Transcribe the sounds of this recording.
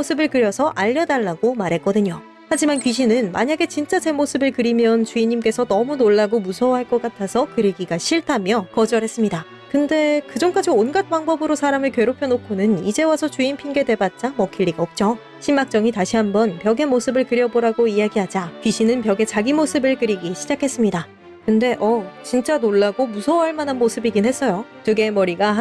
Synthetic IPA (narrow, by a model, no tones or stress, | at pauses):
osʰɯbɯɭkɯɾjʌsʰʌʔaʎːʌdaɭːaɡomaɾɦe̞k͈ʌdɯɲo | had͡ʑimankɥiɕ̬ʰinɯnmaɲaɡe̞t͡ɕint͡ɕ͈at͡ɕe̞mosʰɯbɯɭkɯɾimjʌnt͡ɕuiɲimk͈e̞sʰʌnʌmunoɭːaɡomusʰʌwɦaɭk͈ʌk͈atʰasʰʌkɯɾeɡiɡaɕʰiɭtʰamjʌkʌd͡ʑʌɾɦe̞s͈ɯmɲida | kɯnde̞kɯd͡ʑʌŋk͈ad͡ʑionɡat̚p͈aŋbʌbɯɾosʰaɾamɯɭkɥe̞ɾopʰjʌnokʰonɯnid͡ʑe̞wasʰʌt͡ɕuinpʰinɡe̞de̞bat̚t͡ɕ͈aŋmʌkʰiɭːiɡaop̚t͡ɕ͈o | ɕʰimːak̚t͡ɕ͈ʌŋitaɕʰiɦambʌnpjʌɡe̞mosʰɯbɯɭkɯɾjʌboɾaɡoijaɡiɦad͡ʑakɥiɕʰinɯnpjʌɡe̞t͡ɕaɡimosʰɯbɯɭkɯɾiɡiɕʰid͡ʑakʰe̞s͈ɯmɲida | kɯnde̞ʔʌt͡ɕint͡ɕ͈anoɭːaɡomusʰʌwɦaɭmananmosʰɯbiɡinhe̞s͈ʌjotɯɡe̞mʌɾiɡa